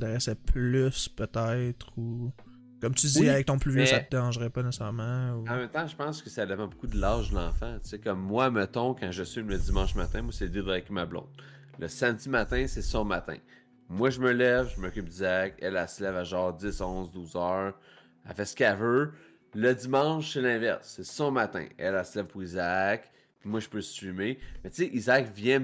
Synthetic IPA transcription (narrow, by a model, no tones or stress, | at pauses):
d̪aʁɛsɛpʰlyspøt̪ɛɪt̪χu | kɔmt̪ydziavɛk̚t̪ɔ̃plyvjjesaəd̪eʁɑ̃ʒʁɛpanɛsɛʁmãuɑ̃mɛ̃mt̪ãʒəpɑ̃skəsad̪epãbukud̪əlaʁʒdlɑ̃fãt͡sekɔmːwamət̪ɔ̃kɑ̃ʒəsimlədd͡zimɑ̃ʃmat̪ɛ̃mwasɛid̪ed̪ʁakmablɔ̰̃d̪ | ləsamdd͡z̪imat̪ɛ̃sɛsɔ̃mat̪ɛ̰̃ | mwaʒəməlɛvʒəmɔkʲyp̚d̪izakɛlaselɛvaʒɑːʁd͡zɪsɔ̃ʊzd̪uːzœːʁ | a̰fɛskavø | ləd̪imɑ̃ʊʃselɛ̃ːvɛʁsɛsɔ̃mat̪ɛ̰̃ɛlaselɛv̥puʁizak | pimwaʒəpøsɥimemɛt͡seʔizakvjɛ̃